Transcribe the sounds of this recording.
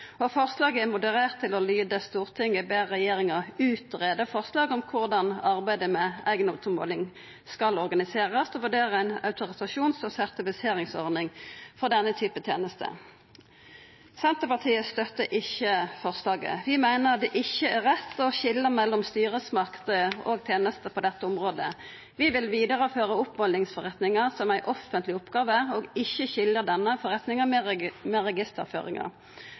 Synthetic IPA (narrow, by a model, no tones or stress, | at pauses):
ɔfɔʁslɑːɡəɛmʊd̪əʁeːʁt̪ʰːɪlɔlyːd̪əst̪uːʁt̪ʰɪŋːəbeːʁɛjeːʁɪŋəʁʉːt̪ʁeːd̪əfɔʁslɑːɡɔmkʰʊʁd̪ɑnɑʁbæɪd̪əmɛæ̰ɪɡənɔt̪əmo̰ːlɪŋ | skɑlɔʁɡɑnɪseːʁəsɔːʋʉʁɖeːʁəæɪnɑ̰ʉt̪ʊɾɪsɑʃuːnsɔsæʁt̪ɪfɪseːʁɪŋsɔʁnɪŋfɔʁd̪ɛnːət̪ʰyːpət̪ʰjḛːnəst̪ʰə̰ | sɛnt̪əpɑʁt̪ʰiːəst̪œt̪ːəʔɪçːəfɔʁslɑːɡə̰ʋɪmæɪnəd̪ɛʔɪçəæʁɛt̪ːɔçɪlːəmɛlːɔmst̪yːʁəsmɑkt̪əo̰ɡt̪ʰeːnəst̪əpʰɔd̪ɛt̪ːəʊmʁoːd̪ə | ʋɪʋɪlʋiːd̪əʁəføːʁəʊpmɔlnɪŋsfɔʁɛt̪nɪŋəʁsɔmæɪʔɔfənt̪lɪʊpɡɑːʋəæʁoːɡɪçəçɪləʁd̪ɛnːəfɔʁɛt̪nɪŋəmɛʁɛɡɪst̪ə̰ʁfø̰ːʁɪ̰ŋɑ̰ʁ